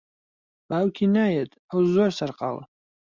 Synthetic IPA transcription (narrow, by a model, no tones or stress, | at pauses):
b̥aːwkʰinaːjɛt̪ʰʼawzɔɾsaɾqʼa̰lə̰